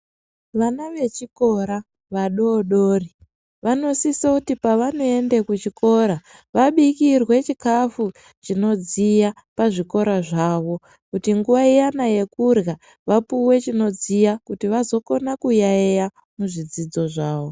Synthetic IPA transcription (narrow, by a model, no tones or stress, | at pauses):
ʋanaʋe̞t͡ʃiko̞ɾa | ʋaɗoːɗoːri | ʋano̞sisakutipaʋanoe̞ndekut͡ʃiko̞ɾa | ʋaɓikirwe̞t͡ʃikafu | t͡ʃino̞d͡zija | paʐiko̞ɾaʐaːʋo̞ | kutiŋɡuʋaijanaje̞kurɣa | ʋapuwe̞t͡ʃino̞d͡zijakutiʋazo̞ko̞nakujaeja | muʐid͡zid͡zo̞ʐaːʋo̞